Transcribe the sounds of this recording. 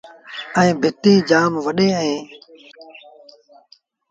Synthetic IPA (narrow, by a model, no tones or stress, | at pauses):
əẽːbʱɪt̪iːd͡ʒaːmʋəɗeːəẽː